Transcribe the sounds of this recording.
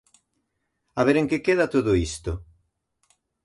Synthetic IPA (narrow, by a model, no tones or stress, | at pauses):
aβeɾeŋkekeðat̪oðoist̪o